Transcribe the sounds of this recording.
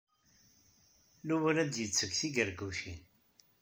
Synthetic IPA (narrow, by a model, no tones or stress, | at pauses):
luwəɾæd̪jət͡sːəkθiɡəɾɡuʃin